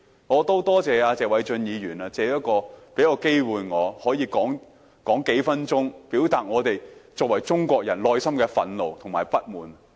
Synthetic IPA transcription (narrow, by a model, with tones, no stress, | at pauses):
ŋɔː˨˧t̪o˥wt̪ɔː˥t͡sɛː˨˧aː˧t͡sɛː˨wɐ˨˥jt͡ʃɵ˧njiː˨˧jyː˨˩naː˧t͡sɛː˨˥jɐ˥kɔː˧pe˨˥jaː˨˧wke˥jwuː˨jŋɔː˨˧hɔː˨˥jiː˧kɔː˨˥ŋ | kɔː˨˥ŋke˨˥jfɐ˥nt͡ʃʊ˥ŋpiː˨˥wt̪aː˨t̚ŋɔː˨˧t̪e˨jt͡sɔː˧k̚wɐ˨˩jt͡sʊ˥ŋkʷɔː˧k̚jɐ˨˩nlɔː˧jsɐ˥mkɛː˧fɐ̰˨˥nlo˨˧wt̪ʰʊ˨˩ŋma̰ː˨˩jpɐ˥t̚muː˨˩n